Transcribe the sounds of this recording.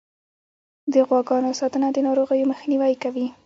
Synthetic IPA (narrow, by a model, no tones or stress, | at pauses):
d̪əɣwɑɡɑnosɑt̪ənad̪ənɑɾoɣəjoməxniwajkawi